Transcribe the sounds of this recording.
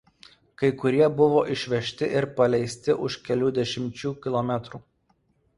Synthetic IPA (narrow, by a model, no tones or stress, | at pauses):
kɐɪkʊɾʲiɛbʊʋoːʔɪʃʲʋʲɛʃʲt̪ʲɪʔɪɾpɐlʲɛɪsʲt̪ʲɪʔʊʃkʲɛlʲuːd̪ʲɛʃʲɪmʲt͡ʃʲuːkʲɪlˠɔmʲɛt̪ɾuː